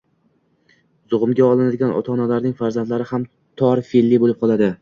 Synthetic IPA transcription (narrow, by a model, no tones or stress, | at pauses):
z̥ʊʁʊmɡʲaɒlˠɪnad̪ɪɡʲanɒ̰t̪ʰɒnalaɾnɪŋfaɾzand̪laɾɪham | t̪ʰɒɾfelːibolɪp̚qʰɒlˠad̪ɪ